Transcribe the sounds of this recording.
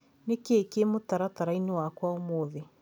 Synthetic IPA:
nekeːkemotaɾataɾainewakwaomoːðe

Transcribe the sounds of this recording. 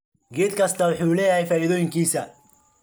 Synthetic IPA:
ɡɛːd̪kʰɐst̪ʰɐwʊħuːlɛːjɐhɛjfaːiðɔːjɪŋkʰiːsɐ

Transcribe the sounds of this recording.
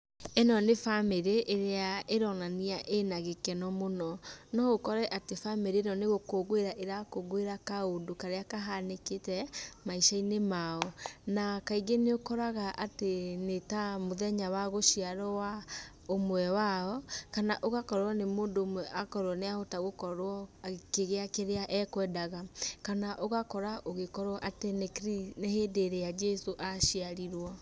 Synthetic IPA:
ɛnɔnefameɾeʔːɾeaeɾɔnaniaʔenaɣekɛnɔmonɔnɔɣokɔɾɛʔatefameɾenɔneɣokoɣweɾaʔeɾakoɣoeɾakaodokaɾeakaɦaneketɛmaiʃainemaɔnakaiɡeneokɔɾaɣaʔatenetamoðɛɲawaɣoʃiaɾɔwa | omwɛwaɔkanaʔoɣakɔɾɔnemoːndoːmwɛʔakɔɾwɔneahotaɣokɔɾwɔkeɣeakeɾeaʔɛkwɛdaɣakanaʔoɣakɔɾaʔoɣekɔɾwɔʔatenekɾinehedeɾejad͡ʒɛsoʔaʃiaɾiɾwɔ

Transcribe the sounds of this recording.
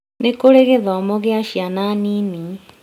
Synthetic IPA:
nekoɾeɣɛðɔɔmɔɣeaʃiananini

